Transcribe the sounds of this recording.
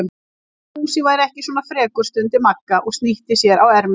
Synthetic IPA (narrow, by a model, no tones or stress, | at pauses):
m | usɪvajɾɛhcɪswɔːnafɾɛːkʏɾ̥st̪ʏnt̪ɪmakːaʔɔɣst̪niht̪ɪsjɛɾawɛɾm